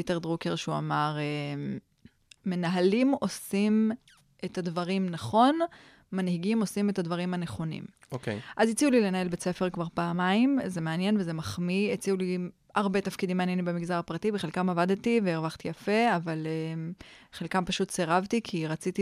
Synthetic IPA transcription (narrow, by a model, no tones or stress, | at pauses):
iteʁdʁukeʁʃua̰maʁe | me̞naɦalimo̞sim | etadvaʁimnaχo̞n | manhiɡimo̞simetadvaʁimhane̞χo̞nḭm | okeʔazet͡siulile̞nae̞lbet͡se̞fe̞ʁkvaʁpaːmaimzemeanje̞nvezemaχmiet͡siuli | aʁbe̞tafkidimeanjenimbemiɡzaʁapʁatibeχelkamavadtiveːʁvaχt̪ijafe̞avale | χelkampaʃutseʁavtikʰiʁat͡siti